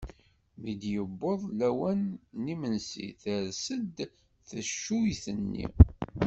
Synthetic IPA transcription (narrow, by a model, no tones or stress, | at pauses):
mid̪jəbːoðˤlæwænːimənsḭθəɾsəd̪ | θəʃːuiθənːḭ